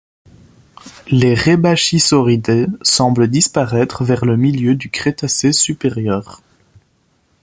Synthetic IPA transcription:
leʁebaʃisɔʁid̪esɑ̃bləd̪ispaʁɛt̪χvɛʁləmiljød̪ykχet̪asesypeʁjœːʁ

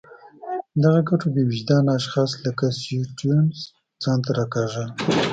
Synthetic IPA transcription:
d̪aɣaɡaʈobewɪd͡ʒd̪ɑnaʃxɑsləkaseʈunz | z̥ɑnt̪aɾakaʒa

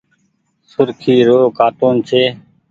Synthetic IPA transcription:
sʊɾkʰiːɾoːkaːʈuːnt͡ʃʰeː

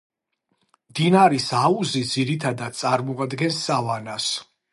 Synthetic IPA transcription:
md̪inaɾisauzid̪ziɾit̪ʰad̪ad̪̥̚t̪sʼaɾmɔad̪ɡɛnsːavanas

